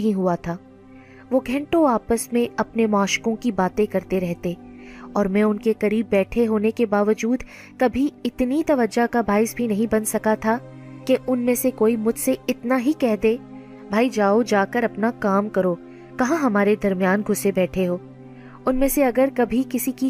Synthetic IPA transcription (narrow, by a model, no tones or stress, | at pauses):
ɦĩɦuat̪ʰaː | ʋoːɡʱɛ̃ɳʈõaːpəsmẽɐpnemaːʃkõkibaːt̪ẽkɐɾt̪eɾɛɦt̪eːɔːɾmɛ̃ːʊnkekɐɾiːbːɛːʈʰeɦoːnekebaːʋəd͡ʒuːd̪ | kɐbʱiɪt̪nit̪ɐʋəd͡ʒakabʱaːɪsbʱinɐɦĩbɐnsɐkat̪ʰa | keʔʊnmẽsekoːimʊd͡ʒʱseɪt̪naɦikɛɦd̪eː | bʱaːid͡ʒaːod͡ʒaːkəɾɐpnakaːmkɐɾoː | kɐɦãɦɐmaːɾed̪ɐɾmijaːnɡʱʊsebɛːʈʰeɦoː | ʊnmẽːseɐɡəɾkɐbʱikɪsiki